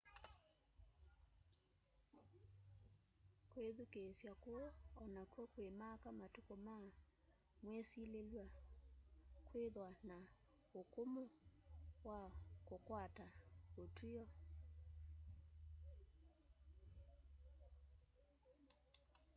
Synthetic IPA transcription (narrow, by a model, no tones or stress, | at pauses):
kweðukesjakwɔɔnakwɔkwemakamatukoma | mwesilelwa | kweðwana | okomo | wakokwataotʰujɔ